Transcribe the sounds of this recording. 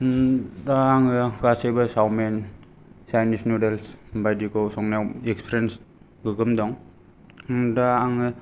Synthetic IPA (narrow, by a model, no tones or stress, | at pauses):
daːŋɯɡasejbasawmen | sajnisnudelsbajdikɔsɔŋnawekspʰɾens | ɡɯɡɯmdɔŋ | daːŋɯ